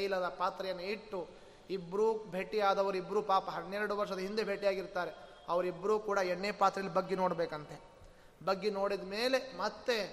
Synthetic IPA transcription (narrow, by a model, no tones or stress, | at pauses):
ɐjlɐd̪ɐpaːt̪ɾɐjɐnːɐiʈːu | ibːɾuːbʱe̞ːʈːiaːd̪ɐʋɐɾuibːɾuːpaːpɐɦɐnːeɾɐɽuʋɐɾʂɐd̪ɐɦind̪ebʱe̞ːʈːijaːɡiɾt̪aːɾe̞ | ɐʋɐɾibːɐɾuːkuːɽɐɛɳːepaːt̪ɾɐjɐlibɐɡːeno̞ːɽbeːkɐnt̪e̞ | bɐɡːeno̞ːɽid̪ɐmeːle̞mɐt̪ːe̞